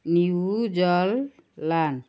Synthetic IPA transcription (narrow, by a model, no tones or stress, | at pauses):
niud͡ʒɔlː | an